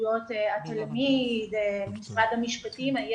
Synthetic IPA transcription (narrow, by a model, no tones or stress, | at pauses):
jo̞t̪eat̪almid̪emisʁad̪hamiʃpatima